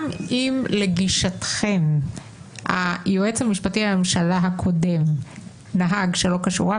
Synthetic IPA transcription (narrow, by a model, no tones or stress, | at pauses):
mimleɡiʃatχe̞m | ha̰joʔet͡shamiʃpatiamemʃalaɦakʰo̞de̞m | naɦaɡʃelo̞kaʃṵʁa